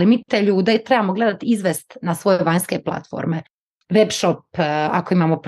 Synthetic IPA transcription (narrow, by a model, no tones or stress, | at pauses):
limiːt̪eʎuːd̪et̪ɾe̞baːmoɡle̞d̪at̪izʋest̪nasʋo̞jeʋaɲske̞plˠa̰t̪fo̰ːɾme̞ | ʋebʃopa̰koimaːmop